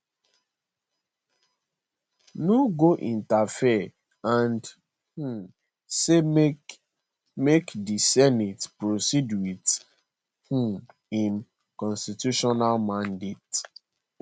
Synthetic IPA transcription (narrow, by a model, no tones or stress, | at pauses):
noɡoʔĩntafi | ãnd | hũ | se | mekdisɛnitpɹosidwid | hũ | ĩm | kɔ̃nstituʃɔnalmãndet